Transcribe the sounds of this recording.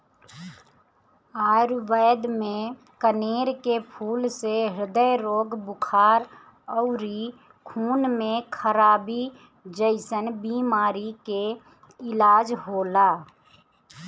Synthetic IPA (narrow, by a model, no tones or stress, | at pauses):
aːɾʋəːd̪mẽ | kəneːɾkepʰuːlseɦɾɪd̪əjɾoːɡbʊkʰaːɾ | ɔʊɾi | kʰuːnmẽkʰəɾaːbi | d͡ʒəɪsənbiːmaːɾike | ɪlaːd͡ʒɦoːlaː